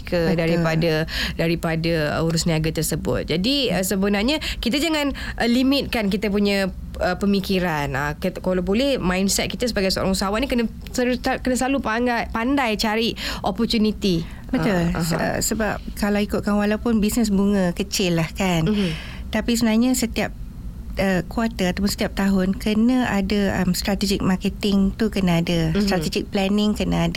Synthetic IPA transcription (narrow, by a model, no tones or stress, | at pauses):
kʰədaɾipadədaɾipadəə̰uɾʊsniaɡat̪ərsəbʊ̰t̪̚d͡ʒadiəsəbənarɲəkit̪ad͡ʒaŋãnʔəlimɪt̪̚kank̬it̪əp̬uɲã | əpəmikiɾanə̰kəkolawbolɛhmãjnsɛt̪̚kit̪əsəbaɡajsəo̰ɾaŋusaawaʔnikənə | skənasəlalupaŋapandajt͡ʃaɾiʔʔopɔrt̪unit̪i | mət̪ʊ̰ʔə̰səbap̚kalawikʊt̪̚kanwalawpʊnbisnəs̬buŋə̃kət͡ʃɪlːahkan | t̪apis̬əbənarɲãsət̪iap̚ | ʔəkwat̪əat̪awp̬ʊnsət̪iap̚t̪aɦʊnkʰənə̃ʔadaə̰mst̪ɾat̪ɛd͡ʒɪk̚makət̪ɪŋt̪ukənaadast̪ɾat̪ɛd͡ʒɪk̚plɛnɪŋkənaada